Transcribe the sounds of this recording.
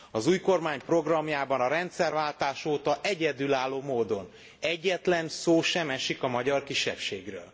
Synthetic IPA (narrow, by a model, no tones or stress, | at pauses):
ɒzuːjko̞rmaːɲpro̞ɡrɒmjaːbɒnɒɾɛnt̪sɛrvaːlt̪aːʃoːt̪ɒʔɛɟɛd̪ylaːlːoːmoːd̪o̞n | ɛɟːɛt̪lɛnsoːʃɛmɛʃikɒmɒɟɒrkiʃɛ̰pʃḛːɡrø̰ːl